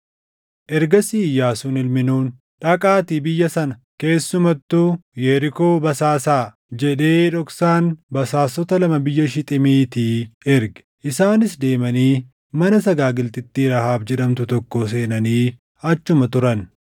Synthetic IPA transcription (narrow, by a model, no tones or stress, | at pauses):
ʔɛɾɡɐsiːjːaːsʊnɪlmɪnuːn | ᶑɐkʼaːt̪iːbɪjːɐsɐnɐ | ke̞ːsːʊmɐt̪ːujɛɾɪkoːbɐsaːsaː | d͡ʒɛᶑe̞ːᶑɔksaːnbɐsaːsːɔt̪ɐlɐmɐbɪjːɐʃɪt̪ʼɪmiːt̪iɛɾɡɛ̥ʔɪsaːnɪsd̪e̞ːmɐniː | mɐnɐs̬ɐɡaːɡɪlt̪ɪt̪ːiːɾɐhaːbd͡ʒɛᶑɐmt̪ʊt̪ɔkːoːs̬e̞ːnɐniː | ɐt͡ʃːʊmɐt̪ʊɾɐn